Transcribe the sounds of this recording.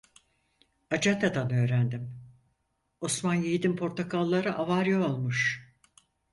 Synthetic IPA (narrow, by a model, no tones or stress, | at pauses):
ad͡ʒat̪ʰad̪anø̞ːɾænd̪im | osmanjijd̪impʰo̞ɾt̪ʰakʰolˠːaɾɯʔavaɾjaolˠmuʃ